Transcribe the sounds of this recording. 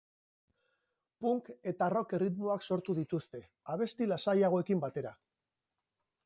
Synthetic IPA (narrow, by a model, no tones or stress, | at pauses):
puŋke̞t̪aro̞kerit̪mo̞akso̞ɾt̪uðit̪ust̪e̞ | aβ̞e̞st̪ilasajaɣ̞o̞e̞kimbat̪e̞ɾa